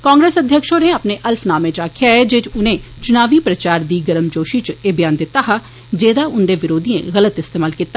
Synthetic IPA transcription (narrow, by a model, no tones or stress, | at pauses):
kãːŋɡɾeːsəd̪ʱjəkʃõːneːapneːʔəlpʰnaːmẽːt͡ʃaːkʰjaːɛːd͡ʒeːʈʊnẽː | t͡ʃʊnaːʋiːpɾət͡ʃaːɾd̪iːɡəɾəmd͡ʒoːʃiːt͡ʃeːbjaːnd̪ɪt̪ːaːɦa | d͡ʒeːd̪aːʊnd̪eːʋɪɾoːd̪iːḛ̃ɣələt̪ɪst̪eːmaːlkiːt̪ːaː